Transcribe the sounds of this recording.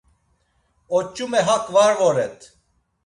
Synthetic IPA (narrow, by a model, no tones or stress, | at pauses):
ɔt͡ʃʼːumɛɦakvaɾvɔɾɛt̪ʰ